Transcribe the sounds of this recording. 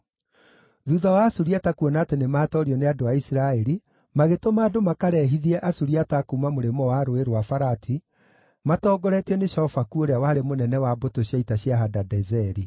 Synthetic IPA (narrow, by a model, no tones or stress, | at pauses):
ðuðawasuɾiatakuɔnaːtenemaːtɔɾiɔneadoaisiɾaɛɾi | maɣetomaːdomakaɾɛɦiðiɛʔasuɾiatakumamoɾemɔwaɾoeɾoafaɾatʰi | matɔːɡɔɾɛtiɔneʃɔɔfakuoɾeawaːɾemonɛnɛwabotoɕjaitaɕjaɦadadɛzɛɾi